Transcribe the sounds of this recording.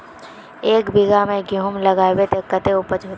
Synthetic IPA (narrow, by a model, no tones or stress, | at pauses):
eːkbʱɪɡʱamẽɡoɦʊmlɐɡaːebet̪ekət̪eupət͡ʃo